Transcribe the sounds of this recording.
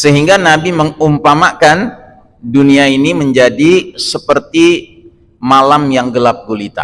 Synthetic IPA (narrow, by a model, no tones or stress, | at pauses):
səɦiŋɡanabiməŋumpamakan | duniainiməɲd͡ʒadisəpərt̪i | malamjaŋɡəlap̚ɡolit̪a̰